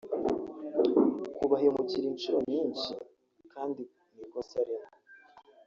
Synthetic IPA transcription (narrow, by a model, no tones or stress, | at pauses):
kuβahiomuciɾiːnʃuɾo̞ɲɲiːnʃḭ | kaːndi | nikosaɾimo